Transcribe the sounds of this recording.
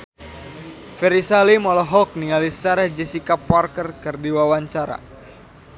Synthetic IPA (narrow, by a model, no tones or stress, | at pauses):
fɛɾisalimɔlɔɦɔk̚niŋalisaɾahd͡ʒɛsikapːarkərkɨrdiwawaɲt͡ʃaɾa̰